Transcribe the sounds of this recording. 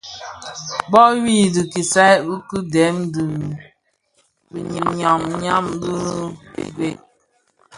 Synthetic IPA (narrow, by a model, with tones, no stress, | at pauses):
bɔ˦wi˦˨di˨ki˨sa˦jbu˦kɨ˦dɛ˨˦mdi˨ | bi˨ɲi˨ɲa˨ŋɲa˦mbə̰˦˨ɡe˦˨